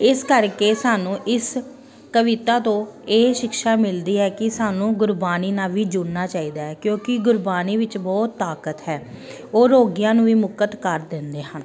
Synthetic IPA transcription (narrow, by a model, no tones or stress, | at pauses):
ɪskəɾkeːsaːnũːʔɪs | kəʋɪt̪aːt̪õːeːʃɪkʃaːmɪld̪iːɦɛːkɪsaːnũːɡʊɾbaːniːnaːʋiːd͡ʒuːnnːaːt͡ʃaːiːd̪aːɦɛːkjõːkɪɡʊɾbaːniːʋɪt͡ʃbɔːt̪ːaːkət̪ɦɛː | oːɾoːɡɪjãːnũːʋiːmʊkət̪kəɾd̪ɪnd̪eːɦən